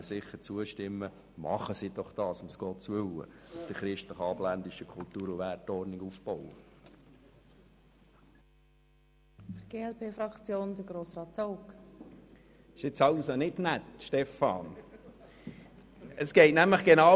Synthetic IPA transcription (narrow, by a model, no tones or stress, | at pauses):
əsɪχːəɾt͡suəʃtɪmːə | mɑ̰χəsid̥ɔχd̥ɑːsʊmsɡ̥ɔːtt͡sʋʏwə̰d̥əɾχɾɪʃtləχɑːblænd̪ɪʃəkʰʊlt̪uːɾʊʋætːɔɾnɪɡufb̥ɔʊə | fəɡ̥eːɛlpʰeːfɾɑkt͡sjoːndəɡɾoːsɾɑːtt͡soʊk | ɪʃɪt͡sɑʊsonɪdnæt̪ʃtɛfɑːn | əsɡ̥ɛɪtnæmləχɡ̥enɑ